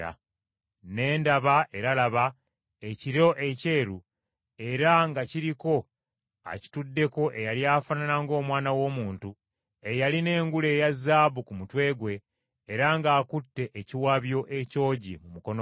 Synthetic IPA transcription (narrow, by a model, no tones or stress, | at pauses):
a̰ | ne̞ːndaβaʔe̞ɾalaβa | eciɾo̞ʔe̞ceːɾu | e̞ɾaŋɡaciɾiko̞ | a̰ci̥tudːe̞ko̞ʔe̞jaliafananaŋɡo̞ːmwaːnawo̞ːmuːntu | e̞jaline̞ːŋɡule̞ːjazːaːβukumutwe̞ːɡwe̞ː | ɾaŋɡaːkutːe̞ʔːciwaβjo̞ʔeco̞ːɟimumuko̞no